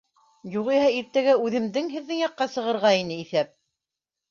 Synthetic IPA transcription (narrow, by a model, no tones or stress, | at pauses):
juʁihæiɾt̪æɡæʉðɘ̆mðɘŋɦɘ̆ðːɘŋjɑqːɑsɤ̆ʁɤ̆ɾʁɑinɘiθæp̚